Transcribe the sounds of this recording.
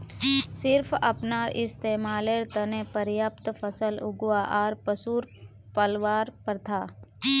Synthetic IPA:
sɪɾfʰɐ̰pnaːʔɪst̪eːmaːleɾt̪ənẽpəɾjaːpt̪fʰəsəlʊɡwaʔaːɾpəsuːɾ | pəlʋaːɾpəɾt̪ʰaː

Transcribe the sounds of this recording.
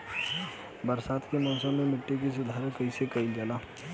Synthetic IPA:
bəɾsaːt̪ʰkemɔ̃ːsəbmẽmɪʈːik̬es̬ʊd̪ʱaːɾkɐisekɐild͡ʒəlaː

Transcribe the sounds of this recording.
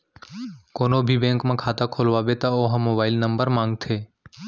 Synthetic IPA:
koːnoːbʱiːbẽːŋkmãːkʰaːt̪aːkʰoːlʋaːʋeːt̪aoːɦãmoːbaːɪlnəmbəɾmãːŋɡ̚t̪ʰeː

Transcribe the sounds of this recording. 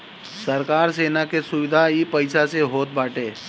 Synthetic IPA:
sɐɾkaːɾseːnakesʊʋɪd̪ʱaipɐɪsaseɦoːt̪̚baːʈeː

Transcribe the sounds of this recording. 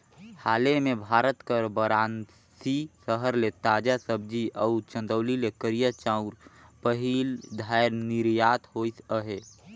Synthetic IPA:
haːlemẽbʱaːɾət̪kəɾbəɾaːn | sisəɦəɾlet̪aːd͡ʒasəb̚d͡ʒiʔəʊt͡ʃə̃nd̪əːlilekəɾijat͡ʃãʊ̃ɾpəɦild̪ʱaːɪɾnɪɾjaːt̪hoisəɦeː

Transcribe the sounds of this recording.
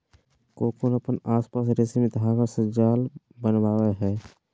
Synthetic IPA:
koːkonəpənaːspaːs̬ɾeːsimẽt̪ɦakasəd͡ʒaːl | bənʋaːweɦɛː

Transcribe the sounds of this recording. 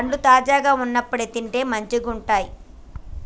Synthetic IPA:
ɐɳɖut̪aːd͡ʒaːɡaːunːɐpːuɽet̪iɳʈe̞ːmɐɲt͡ʃiɡuɳʈaːji

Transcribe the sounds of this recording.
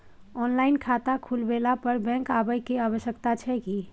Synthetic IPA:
ɔnlainkʰat̪akʰulbelapəɾbɛ̃ŋkabəjkeaβəʃjəkt̪at͡ʃʰɛki

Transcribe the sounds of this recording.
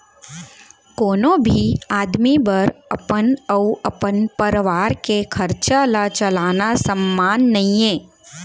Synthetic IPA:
koːnõbʱiaːd̪mibəɾɐ̰pənəuɐpənpəɾʋaːɾkekʰɐɾt͡ʃalat͡ʃɐlaːnasəmːaːnːɐɦĩẽː

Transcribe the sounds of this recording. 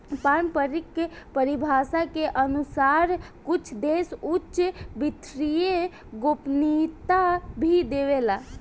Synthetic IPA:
panpəɾikːepəɾibʱasakeʔənusaɾkut͡ʃʰd̪esut͡ʃʃbit̪ʰɾije | ɡopnit̪abʱid̪eʋela

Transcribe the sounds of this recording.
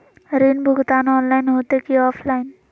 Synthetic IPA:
ɾinbʱʊɡt̪aːnɔːnlaɪnɦot̪ekiɔːpʰlaːɪn

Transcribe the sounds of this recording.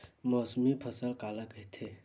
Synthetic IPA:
mɔːsmipʰəsəlkaːlakəɦit̪ʰe

